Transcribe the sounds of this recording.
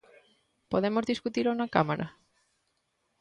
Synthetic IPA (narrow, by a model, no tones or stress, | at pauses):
poðemozðiskut̪iɾonakamaɾʔa̰